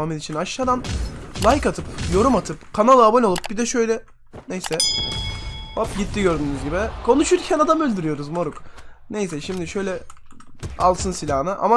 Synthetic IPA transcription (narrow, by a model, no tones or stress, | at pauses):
amɯd̪it͡ʃʰinaʃːaːd̪anlˠajkat̪ʰɯpjo̞ɾumat̪ʰɯpkʰanalˠɯabonʲolˠup̚bid̪ɛʃø̞jlʲɛ | nejsɛ | vapɟit̪ʰːiɟø̞ɾd̪ynyzɟibikʰo̞nuʃuɾcʰɛnad̪amølʲd̪yɾyjo̞ɾuzmo̞ɾuknejs̬ɛʃimd̪iʃø̞jlʲɛ | a̰lˠsɯnsilʲahnɯʔa̰ma